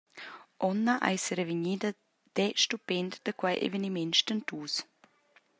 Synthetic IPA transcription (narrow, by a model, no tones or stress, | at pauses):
ʔɔnːaʔa̰jsəɾeviɲid̪ə | d̪̥ɛʃtupend̪d̪əkwajʔḛvənimɪnʃtənt̪uːs